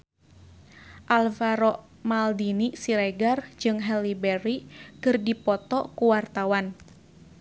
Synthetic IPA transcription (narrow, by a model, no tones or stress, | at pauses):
ʔalvaɾɔʔ | maldinisiɾɛɡard͡ʒɨŋɦɛlibɛɾikɨrdipɔt̪ɔkuwart̪awan